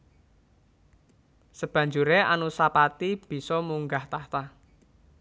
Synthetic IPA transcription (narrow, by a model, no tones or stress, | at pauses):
səb̥ä̤ɲd͡ʒuɾea̰nusapat̪ib̥i̤sɔmuŋɡaht̪aht̪a